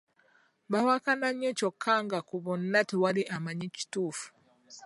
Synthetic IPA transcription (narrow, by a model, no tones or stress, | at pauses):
βawakanaɲecokʰːaːŋɡakuβonːatiwaliʔamaɲici̥tuːfu̥